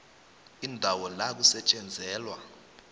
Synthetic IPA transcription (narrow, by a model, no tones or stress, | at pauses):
indʱawɔlak̬usɛt͡ʃʼɛnd͡zʱɛːlwa